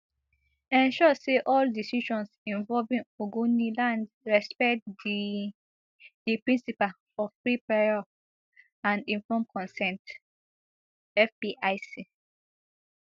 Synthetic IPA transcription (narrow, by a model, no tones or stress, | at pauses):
ɛ̃nʃɔseʔɔldisiʃɔ̃nsĩnvɔlvĩŋoɡonilãnd | ɹɛspɛktd | d̥ipɹĩnsipal | ɔv̥fɹipɛɔ | ãndĩɱfɔ̃mkʰɔ̃nsɛ̃nt | ɛfbiʔaɪsi